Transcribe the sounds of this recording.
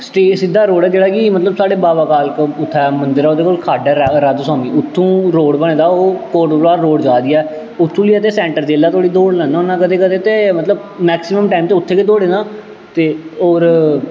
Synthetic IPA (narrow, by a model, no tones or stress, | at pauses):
sʈeːsɪd̪ːaːɾoːɽɛːd͡ʒeːɽaːkɪmət̪ləbsaːɽeːbaːbaːkaːlkʊt̪ʰːɛːmənd̪ɪɾɛːoːd̪eːkoːlkʰaːɖɛːɾɾad̪saːmiːʊt̪ʰːũːɾoːɽbəɳẽːd̪aːoːkoːɾʈblaːɾɾoːɽd͡ʒaːd̪iːaː | ʊt̪ʰːũːliːət̪eːsɛ̃ːɳʈəɾd͡ʒeːlaːt̪ʰoːɽiːd̪oːɽlɛ̃nãːonãːkəd̪eːkəd̪eːt̪emət̪ləb | mɛːksɪməmʈaːimt̪eːʊt̪ʰːeːked̪oːɽeːnãː | t̪eːoːɾ